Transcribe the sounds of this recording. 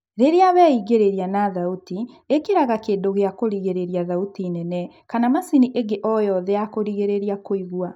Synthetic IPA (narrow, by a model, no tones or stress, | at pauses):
ɾeɾeaβɛiɣeɾeɾjanaðauti | ekeɾaɣakeːndoɣeakoɾiɣeɾeɾiaðautinɛnɛ | kanamasiniʔeɡeʔɔjɔðɛakoɾiɣeɾeɾiakoiɣwa